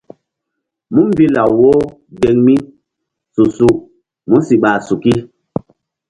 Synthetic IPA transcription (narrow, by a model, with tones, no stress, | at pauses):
mu˦m˦bi˦la˨wwoː˦ | ɡe˨ŋmi˦ | su˨su˨ʔ | mu˦nsi˨ɓa˨su˨ki˦